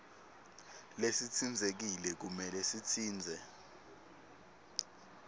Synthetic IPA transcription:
lesit͡sʰind͡zʱek̬ilɛk̬umɛlesitʰiːnd͡zʱɛ

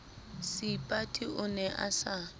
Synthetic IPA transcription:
sɪpʼatʼiʔʊnɛʔa̰sa

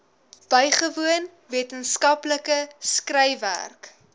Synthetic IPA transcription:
b̥œjχəvuən | viətənskɐpləkəskrɛjvæ̰rk

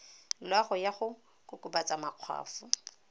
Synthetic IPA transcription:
lwaχʊjaχʊ | kʼʊkʼʊbat͡sʼamaq͡χʰwa̰ːfʊ

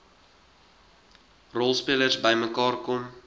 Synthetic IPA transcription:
rɔlˠspiələrsbəjməkɑːrkɔm

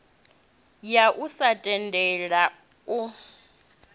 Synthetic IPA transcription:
jaʔusatʼɛndʱʼɛɺa | u

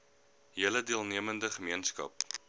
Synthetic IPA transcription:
ɦiələdiəlˠniəməndəχəmiənskɐ̰p̚

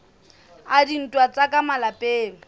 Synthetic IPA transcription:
adin̩tʼwat͡sʼakʼamalapʼeːŋ̩

